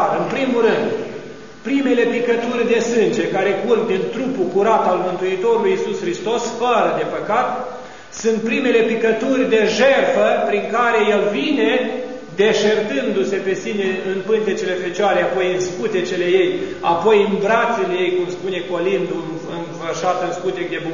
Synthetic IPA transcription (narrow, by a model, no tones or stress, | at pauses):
ɨnpɾimurɨnd̪ | pɾime̞le̞pikət̪urʲd̪e̞sɨnd͡ʒe̞kaɾe̞kurkd̪int̪ɾupukuɾat̪almɨnt̪uit̪o̞ɾulujisusxɾist̪o̞sfəɾəd̪e̞pəkat̪ | sunt̪̚pɾime̞le̞pikət̪urʲd̪e̞ʒerfəpɾiŋkaɾe̞je̞lvine̞ | d̪e̞ʃert̪ɨnd̪use̞pe̞sine̞ɨnpɨnt̪et͡ʃele̞fe̞t͡ʃoaɾeapo̞jɨnskut̪et͡ʃele̞je̞japo̞jɨnbɾat̪selejejkumspune̞ko̞lind̪uɨn | ɨnfərʃat̪əɨnskut̪ek̚d̪e̞bu